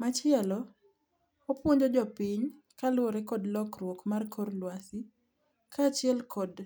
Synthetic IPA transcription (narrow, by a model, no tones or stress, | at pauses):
mat͡ʃɪɛlɔ | opwoɲd͡ʒod͡ʒɔpiɲ | kalwɔɾɛkɔdlɔkɾwokmarkʰɔrlwasi | kʰaːt͡ʃɪɛlkʰɔd